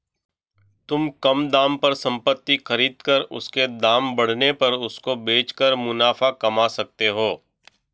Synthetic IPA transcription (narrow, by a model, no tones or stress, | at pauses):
t̪ʊmkɐmd̪aːmpɐɾsɐ̃mpət̪ːixɐɾiːd̪kəɾʊ̰sked̪aːmbɐɽ̤nepɐɾʊskobeːt͡ʃkəɾmʊnaːfakɐmasɐk̚t̪eɦoː